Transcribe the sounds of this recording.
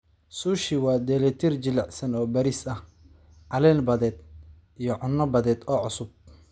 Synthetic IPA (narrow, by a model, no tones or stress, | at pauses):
suːʃɪwɑːd̪ɛːlɛt̪ʰird͡ʒɪlɛʕsɐnɔːbɐɾisɐh | ʕɑlɛːnbɐðɛːd̪ | ijɞʕʊnːɐbɐðɛːd̪ɔːʕʊsʊb̚